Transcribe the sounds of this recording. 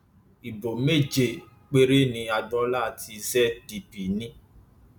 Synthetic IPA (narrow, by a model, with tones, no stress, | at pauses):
i˨bo˨me˦˨d͡ʒe˨ | k͡pe˦ɾe˦nĩ˧a˧ɡ͡bɔ˦la˦˨tʰi˧zɛ˦di˧pi˨nĩ˦